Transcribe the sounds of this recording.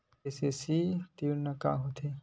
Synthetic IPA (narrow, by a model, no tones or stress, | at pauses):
esesit̪inɐka̰ɦot̪ʰe